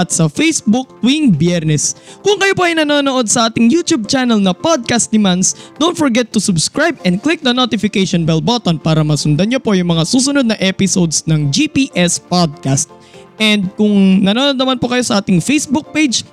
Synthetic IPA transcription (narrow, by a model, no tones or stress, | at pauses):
ʔɐt̪sɐfejsbʊk̚t̪wiŋbjɛɾnɛskʊŋkɐjopoʔɐjnɐnoːnoʔo̞d̪sɐʔaːt̪ɪŋjuːt̪jub̚t͡ʃanɐlnɐpod̪̚kast̪̚d̪ɪmansd̪ownt̪fɔɹɡɛt̪ːʊsʊbskɹajbɛnd̪̚klɪk̚nɐnot̪ɪfɪkɛjʃonbɛlbot̪onpaːɾɐmɐsʊnd̪ɐnɲopo̞jʊŋmɐŋasuːsʊnod̪nɐʔɛpɪsowd̪snɐŋd͡ʒipiːʔɛspod̪̚kast̪̚ | ʔɛnd̪̚kʊŋnɐnoːnod̪nɐmanpokɐjo̞sɐʔaːt̪ɪŋfejsbuk̚pejd͡ʒ